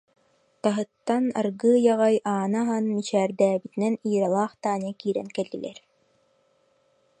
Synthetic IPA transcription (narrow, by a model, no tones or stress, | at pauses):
t̪aɦɯt̪ːana̰ɾɡɯːjaʁajʔaːnaɦanmit͡ɕæːɾd̪æːbit̪inɛniːɾalˠaːχt̪aːnɛkiːɾɛ̰nkɛlːḭlɛ̰ɾ